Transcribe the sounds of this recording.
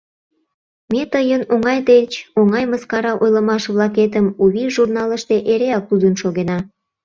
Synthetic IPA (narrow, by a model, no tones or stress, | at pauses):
met̪əjənoŋɑjt̪et͡ɕoŋɑjməskɑɾɑʔojləmɑʃβlɑket̪̬əmuβiʒurnɑləʃt̪eʔeɾeɑk̚t̪ud̪ənʃoɣenɑ